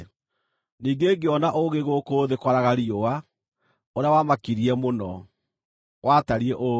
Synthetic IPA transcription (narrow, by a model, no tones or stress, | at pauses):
niːɡeɡeɔnaʔoɣeɣokoːðekwaɾaɣaɾiowa | oɾawamakiɾiɛmonɔ | wʔaːtaɾiɛʔo